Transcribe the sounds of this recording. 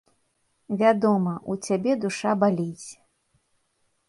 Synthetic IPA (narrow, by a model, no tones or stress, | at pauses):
vʲad̪ɔmɐʔut͡sʲabʲɛd̪uʂabalʲit͡sʲ